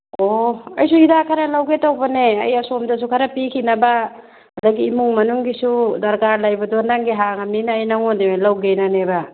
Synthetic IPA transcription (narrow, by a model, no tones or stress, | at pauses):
oɐjsuidakʰɐɾɐlawɡetawbɐneɐ̰jɐsomdɐs̬ukʰɐɾɐpikʰinɐba | hɐdaɡiːmuŋmɐnuŋɡisudɐɾkaɾlajbɐdondaŋɡiɦaŋaminɐːjnaŋondimelawɡenaneba